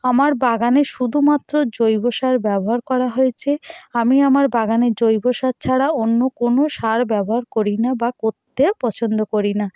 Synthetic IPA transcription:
amaɾbaɡaneʃud̪ʱumat̪ːɾod͡ʑojboʃaɾbɛboɦaɾkɔɾaɦojet͡ɕʰeamiamaɾbaɡaned͡ʑojboʃat͡ɕʰaɽaonːokonoʃaɾbɛboɦaɾkoɾinabakoɾt̪ːepɔt͡ɕʰond̪okoɾina

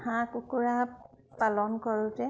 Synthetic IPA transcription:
hãkukuɹa | palɔnkɔɹʊtɛ

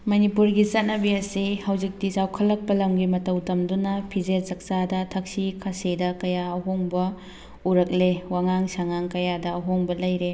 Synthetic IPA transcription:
mɐnipuɾɡisɐt̚nɐbiɐsihɐwzik̚disawkʰɐlːɐk̚pɐlɐmɡimɐtɐwtɐmdunɐpʰizeɾzɐk̚sadɐtʰɐk̚sikʰasidɐkɐjaɐɦoŋbɐ | uɾɐk̚lewaŋaŋsaŋaŋkɐjadɐːɦoŋbɐlɐjɾe

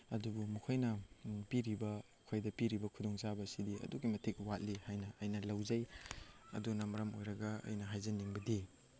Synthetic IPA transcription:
ɐdubumukʰojnɐpiɾibɐ | kʰojdɐpiɾibɐkʰudoŋzabɐsidiɐ̰duɡimɐtʰik̚wat̚lihajnɐːjnɐlɐwzɐjɐ̰dunɐmɐɾɐmojɾɐɡɐɐ̰jnɐɦajzɐnːiŋbɐdi

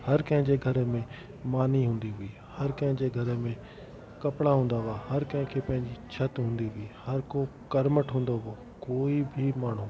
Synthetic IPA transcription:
hɐɾkɐ̃ɦɪ̃ɲd͡ʑeɡʱɐɾmẽ | maːniɦũːn̆d̪iɦʊiː | hɐɾkɐ̃ɦɪ̃ɲd͡ʑeɡʱɐɾəmẽ | kɐpɽaɦũːn̆d̪aɦahɐɾkɐ̃ɦɪ̃kʰeːpɐ̃ɦɪ̃ɲd͡ʑit͡ɕʰɐt̪ɦũːnd̪iɦʊihɐɾkokɐɾməʈɦũːn̆d̪oɦo | koːibʱimaːɳ̤ũ

